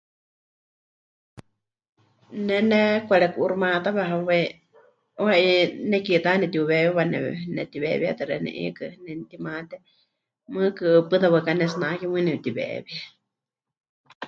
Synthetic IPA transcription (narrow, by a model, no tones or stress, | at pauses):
nɛnɛkʷaɺɛkuʔuɾumat̪aβɛɦawɛ | wainɛkit̪anɛt̪iuβɛjuβanɛ̰ɛnɛt̪iβɛβia̰t̪ɛɾɛnɛ̰ʔḭkɨnɛnt̪imat̪ɛ | mɨkɨɨpɨðaβakanɛs̬nakimɨnɛβt̪iβɛ̰βia